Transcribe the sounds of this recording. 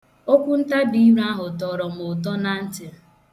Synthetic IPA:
o˦kʷu˦n̩˦ta˦di˦i˦ɾa˦ɦʊ˨tɔ˨ɾɔ˨m̩ʊ˨t̬ɔ˦na˨n̩˦tɪ˨

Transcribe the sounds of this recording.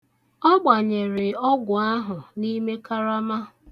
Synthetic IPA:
ɔ˦ɡ͡ba˨ɲe˨ɾɪ˨ɔ˦ɡʷʊ˨a˦ɦʊ˨ni˦me˦ka˦ɾa˦ma˦

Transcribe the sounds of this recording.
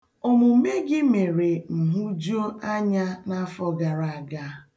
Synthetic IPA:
o˦mu˨˦me˦ɡɪ˦me˨ɾe˨m̩˨ɦu˦d͡ʒo˦ʔa˦ɲa˦na˦fɔ˦ɡa˨ɾa˨a˨ɡa˦

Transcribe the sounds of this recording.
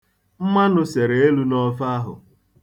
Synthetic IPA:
m̩˦ma˦nʊ˦se˨ɾe˨e˦lu˦nɔ˦fa˦ɦʊ̰˨

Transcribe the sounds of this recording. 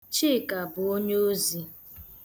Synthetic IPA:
t͡ʃi˦˨ka˨bʊ˨o˦ɲ˦o˦zi˨

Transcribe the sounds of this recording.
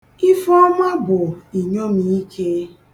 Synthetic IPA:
i˦fɔ˦ma˦bʊ˨i˨ɲo˦m̩˨˦i˦kʰe˦

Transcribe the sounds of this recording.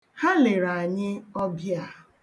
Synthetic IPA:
ha˦le˨ɾa˨ɲɪ˦ɔ˦bja˦˨

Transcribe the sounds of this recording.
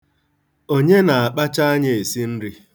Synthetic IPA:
o˦ɲe˦na˨a˨k͡pa˦t͡ʃa˦a˦ɲe˦˨e˨si˦n̩˦ɾi˦

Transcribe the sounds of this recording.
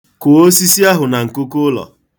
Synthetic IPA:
ko˨o˦si˦si˦a˦ɦʊ˨na˨ŋ̩˨ko˦ku˦ʊ˦lɔ̰˨

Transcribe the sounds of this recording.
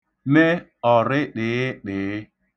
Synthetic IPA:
me˦ | ɔ˨ɾɪ˦ɗɪ˨ɪ˦ɗɪ˨˦

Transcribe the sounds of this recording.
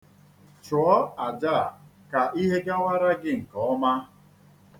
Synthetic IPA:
t͡ʃɔ˦a˨d͡ʒa˦˨ | ka˨ʔi˦ɦe˦ɡa˦wa˦ɾa˦ɡɪ˦ŋ̩˨kɔ˨ɔ˦ma˦

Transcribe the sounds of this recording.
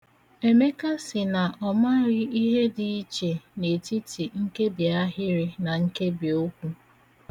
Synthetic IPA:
e˨me˦ka˦sɪ˨na˨ʔɔ˨ma˦ɾɪ˦i˦ɦe˦di˨i˦t͡ʃe˨ne˨ti˦tʰi˨ŋ̩˦ke˦bi˨a˦ɦɪ˦ɾɪ˦na˨ŋ̩˦ke˦bi˨o˦kʷu˦

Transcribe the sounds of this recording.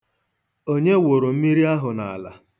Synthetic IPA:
o˦ɲe˦wo˨ɾo˨m̩˦mi˦ɾi˦a˦ɦʊ˨na˨a˨la̰˨

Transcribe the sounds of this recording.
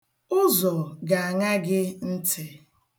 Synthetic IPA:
ʊ˦zɔ˨ɡa˨a˨ŋa˦ɡɪ˦n̩˦tʰɪ˨

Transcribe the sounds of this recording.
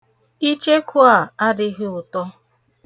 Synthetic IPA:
i˦t͡ʃe˦kʰʊ˦a˨a˦dɪ˦ɣɪ˦ʊ˨tɔ˦

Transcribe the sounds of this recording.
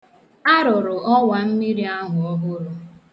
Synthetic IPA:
a˦ɾʊ˨ɾʊ˨ʔɔ˦wa˨m̩˦mi˦ɾi˦a˦ɦʊ˨ɔ˦ɦʊ˦ɾʊ˨

